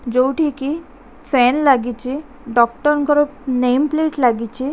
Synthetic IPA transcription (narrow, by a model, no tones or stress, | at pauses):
d͡ʑowʈʰiki | fɛnlaɡit͡ɕi | ɖɔkʈəɾnkəɾupnejmpleʈlaɡit͡ɕi